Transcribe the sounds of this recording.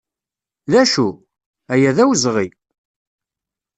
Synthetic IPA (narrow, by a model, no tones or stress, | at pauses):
ðæʃu | æjæðæwzʁi